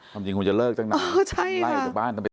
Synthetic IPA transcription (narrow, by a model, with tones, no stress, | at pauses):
kʰa˧mt͡ɕi˧kʰu˧nt͡ɕa˨˩lɤː˥˩k̚t͡ɕa˥˩ŋna˧ɔ˧˩t͡ɕʰa˥˩jla˥˩a˧˩t͡ɕ̚ːɓaː˥˩nt̪a˧m˧˨˩